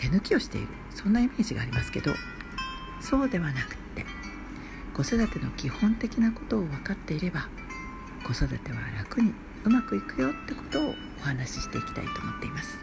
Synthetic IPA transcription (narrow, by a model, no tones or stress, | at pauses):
t̪e̞nɯ̟kʲio̞ɕi̥t̪e̞̰ḭɾɯ̟̰sõ̞nːaime̞ːʑiɡa̰ːɾʲimasɨ̥ke̞̰d̪o̰ | so̞ːd̪e̞βanakɯ̟̥t̪ːe̞ | ɡ̥o̞sod̪at̪e̞no̞kʲihõ̞nt̪e̞kʲinako̞t̪o̞ːβakat̪ːe̞iɾe̞ba | ɡ̥o̞sod̪at̪e̞β̞a̰ɾakɯ̟ɲ̟i | ɯ̟makɯ̟ikɯ̟jo̞t̪ːe̞ko̞̥t̪o̞̰ː | ohanaɕi̥ɕi̥t̪e̞ikʲi̥t̪a̰it̪o̞ːmot̪ːe̞imasɨ̥